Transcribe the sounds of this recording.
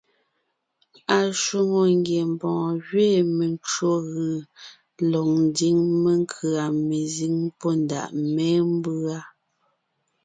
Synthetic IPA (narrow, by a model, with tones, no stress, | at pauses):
a˨ʃu˦mo˨ŋ˦ɡje˨m˨bɔ̃ː˨ɣɥeː˦˨me˨nt͡ʃo˦ɣɯ˨ | lɔ˨ŋn˦di˦ŋme˦ŋ˦kʰɯ˨a˨me˨zi˦ŋpɔ˦nda̰˨ʔmɛː˦m˦bɰa˦